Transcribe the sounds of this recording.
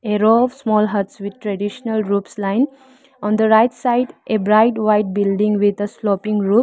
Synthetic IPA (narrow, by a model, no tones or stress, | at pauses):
eɾoɔʋsmɔːlɦʌɾʈsʋɪd̪̚ʈɾɛɖiʃənəlɾuːpslãɪ̃n | ɔ̃ːnd̪əɾaɪʈsaɪɖʔebɾaɪʈʋaɪʈ̚bɪlɖɪ̃ŋɡʋɪd̪əslɔːpɪ̃ŋɡɾuːp̚